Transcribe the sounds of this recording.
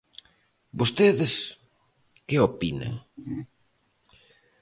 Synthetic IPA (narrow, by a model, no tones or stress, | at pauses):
bost̪eðɪs | keopina̰ŋ